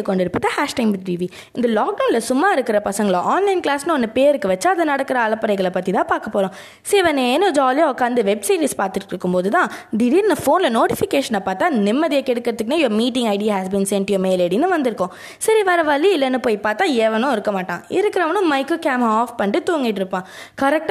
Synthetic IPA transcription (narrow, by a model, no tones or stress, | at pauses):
ɯkːɔɳɖɪɾɯpːɯt̪ɐhaːʂʈɐɪmʈiːʋi | ɪnd̪ɐlaːk̚ɖɐʊnɪlɐsʊmːaːɪɾɯkːɪɾɐpɐsɐŋɡɐɭʔaːnlɐɪnklaːsnɯɔnːɯpeːɾɯkːɯʋɐt͡ʃːaɐðɐnɐɽɐkːɯɾɐːlɐpːɐɾɐɪɣɐɭɐpɐt̪ːit̪ãːpaːɾkɐpːoːɾʊ̃ | seːʋɐnenɯd͡ʒaːljaɔkːaːnd̪ɯʋɛbsiːɾiːspaːɾt̪ɯʈːɾɯkːɯmpoːðɯt̪ãːd̪ɪɾiɾnɐfoːnlɐnoːʈɪfɪkeːʂɐnɐpaːɾt̪ːãːnɪmːɐðɪjɐkːɛɽɯkːɪɾɐt̪ːɯkːɯnẽjɐɾmiːʈ̬ɪ̃ŋɡɐɪɖɪjaɦæsbiːnsɛɳʈʊjɐmeːleːɽinːɯʋɐnd̪ɪɾɯkːʊ̃ | sɐɾiʋɛːɾɐʋɐɭːiɪlːɐnːɯpoːjpaːɾt̪ːãːɛʋɐnʊ̃ɪɾɯkːɐmaːʈːãːɪ̰ɾɯkːɪɾɐʋɐnʊ̃mɐɪkːɯkaːmaːfpɐɳɖɯt̪uːŋɡɪʈːɪɾɯpːãː | kɐɾɛk̚ʈ